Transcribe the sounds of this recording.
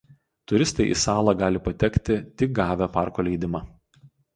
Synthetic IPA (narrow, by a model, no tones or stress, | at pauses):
t̪ʊɾʲɪst̪ɐɪʔḭsɑːlˠɑɡɑːlʲɪpɐt̪ʲɛkt̪ʲɪt̪ʲɪk̚ɡɑːʋʲɛpɑˑɾkoːlʲɛɪd̪ʲɪmɑː